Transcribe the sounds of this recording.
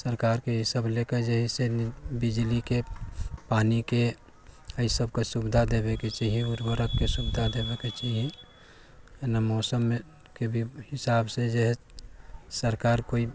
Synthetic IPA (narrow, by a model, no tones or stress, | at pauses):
səɾkaːɾkeɦisəbleked͡ʒeɦɛsenbid͡ʒlikepaːnike | əisəbkesubd̪ʱad̪ebeket͡ʃaɦiiuɾbəɾəkːesubd̪ʱad̪ebeket͡ʃaɦie | namɔːsəme | kebʱihɪsaːbsed͡ʒeɦɛ | səɾkaɾkoi